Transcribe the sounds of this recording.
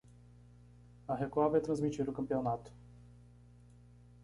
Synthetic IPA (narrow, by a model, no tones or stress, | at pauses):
aɦɛkabɛt̪ɾɐnzmit͡ʃiɾokɐmpiɔnat̪